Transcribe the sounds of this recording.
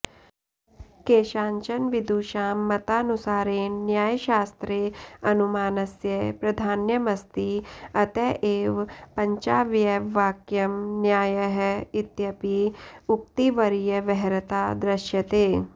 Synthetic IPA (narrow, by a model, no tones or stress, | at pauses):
keːʃãːɲt͡ʃɐnʋid̪uːʃaːmːɐt̪aːnusaːɾeːnnjaːjʃaːst̪ɾeːɐnumaːnɐsjɐpɾɐd̪ʱaːnjɐmɐst̪iɐt̪ɛʔeːʋpɐ̃ɲt͡ʃaːʋjeʋːaːkjɐmnjaːjɐɦɪt̪jɐpiʊk̚t̪iʋɐɾijɐʋɛɦɾɐt̪aːd̪ɾɐʃjɐt̪eː